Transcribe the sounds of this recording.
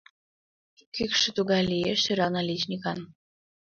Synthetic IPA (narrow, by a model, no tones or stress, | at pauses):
kykʃɘ̆t̪uɣɑlʲieʃiɾɑnɑlʲit͡ɕnʲikɑn